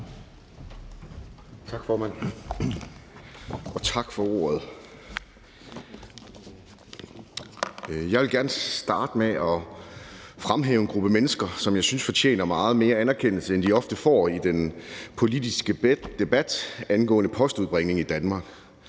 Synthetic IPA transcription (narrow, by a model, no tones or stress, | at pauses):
t͡sʰɑ̈ɡ̥fɒːmæn̰ | ɒ̽t͡sʰɑ̈ɡ̥fɒ̽o̝̰ːɐð̞̩ˠ | jɑ̈ɪʋelɡ̥æɐnəsd̥ɑ̈ːd̥əmeɒ̽ | fʁamɦɛ̰ːʊe̝nɡ̥ʁub̥əmenəsɡ̥ɐsɒ̽mjɑ̈ɪsynsfɒ̽t͡ɕʰḛːnɐmɑ̈ːð̞̩ˠme̝ːɐænæɐkʰen̰l̩səend̥iɒ̽fd̥əfɒ̰ːid̥enpʰo̝lid̥isɡ̥əd̥e̝b̥æd̥ænɡ̥ɔ̰̽ːnəpʰɒ̽sd̥uð̩ˠb̥ʁɛŋne̝ŋid̥ænmɑ̈ːɡ̥